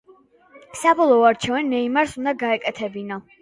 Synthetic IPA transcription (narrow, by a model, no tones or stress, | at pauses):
sabɔlˠɔɔaɾt͡ʃʰɛvanːɛimaɾsund̪aɡaɛkʼɛt̪ʰɛbinɔ